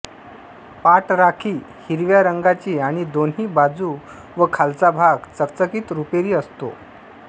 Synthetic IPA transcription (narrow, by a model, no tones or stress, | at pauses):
paʈɾakʰiːhiɾʋjaɾəŋɡat͡ɕiːaɽ̃id̪onɦiːbad͡zuː | ʋəkʰalt͡sabʱaɡt͡səkt͡səkiːt̪ɾupeɾiːəst̪o̰